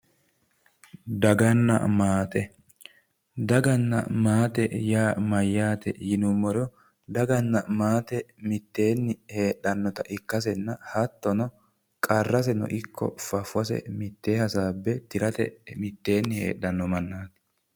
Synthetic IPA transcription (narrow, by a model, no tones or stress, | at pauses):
d̪ɐɡɐnːɐ̰maːt̪ʼɛ | d̪ɐɡɐnːɐ̰maːt̪ɛjaːmɐjːaːt̪ɛ̰jɪnʊmːɔɾɛ | d̪ɐɡɐnːɐmaːt̪ɛmɪt̪ːe̞ːnːɪhe̞ːɗɐnːɔt̪ɐʔɪkːɐsɛnːɐhɐt̪ːɔnɔ | kʼɐrːɐs̬ɛnɔ̰ʔɪkːɔ̰fɐfʊwɐsɛ̰mɪt̪ːe̞ːhɐsaːbːɛt̪ɪɾɐt̪ɛ̰mɪt̪ːe̞ːnːɪhḛːɗːɐnːɔmɐnːaːt̪